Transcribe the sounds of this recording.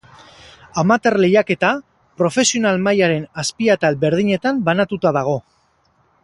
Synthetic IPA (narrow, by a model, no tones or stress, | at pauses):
amat̪e̞ɾle̞jake̞t̪a | pɾo̞fe̞sio̞nalmajaɾe̞naspiat̪albe̞ɾð̞iɲe̞t̪ambanat̪ut̪aðaɣ̞o̞